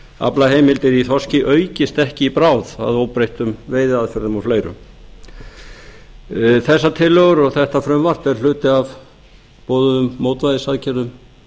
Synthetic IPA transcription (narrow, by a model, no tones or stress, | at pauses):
a̰plaɦeːjmɪlt̪ɪɾiθɔscɪʔœːɥcɪst̪ɛhcɪipɾawða̰ðowpɾejht̪ʏmveːjðɪaðfɛɾðʏmɔfleːjɾʏ̰m | θɛsːat̪ʰɪlːœɣʏɾɔɣθɛht̪afɾʏmvar̥t̪ɛɾ̥l̥ʏːt̪ɪav | poːwðʏðʏmːowt̪vajðɪsaðcɛɾðʏm